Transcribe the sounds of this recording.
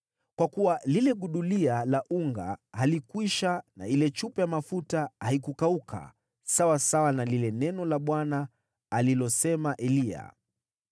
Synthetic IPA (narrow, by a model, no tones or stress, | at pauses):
kwakuwalilɛɠuɗulialaʔuŋɡa̰halikwiʃana̰ilɛt͡ʃupɛjamafutahaikukaukʰa̰ | sawasawanalilɛnɛnɔlaɓwanaː | lilɔsɛmaʔɛlia̰